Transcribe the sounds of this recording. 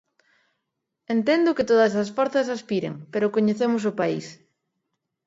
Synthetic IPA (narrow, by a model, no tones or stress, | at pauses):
ent̪end̪ʊket̪oðɐsasfɔɾθɐsaspiɾḛŋpeɾʊkoɲeθemʊs̬ʊpaḭs